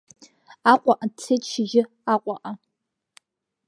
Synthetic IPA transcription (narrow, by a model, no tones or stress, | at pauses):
aqʷʼaʔat͡sʰejtʰʼʃɪʒɪ | aqʷʼaʔa